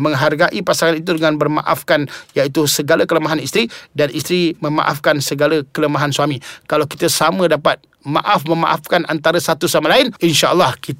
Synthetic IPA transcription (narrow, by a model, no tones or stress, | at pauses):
mə̃ŋɦarɡaʔipasaŋanit̪̬udəŋanbərma̰ʔa̰fkanjait̪usəɡalakələmaɦanist̪ɾidanist̪ɾiməma̰ʔafkansəɡalakələmaɦansuamikalawki̥t̪asamə̃dapat̪̚ | ma̰ʔafməma̰ʔa̰fkanʔa̰nt̪aɾəsat̪usamalaɪninʃaʔəlːɑhkit̪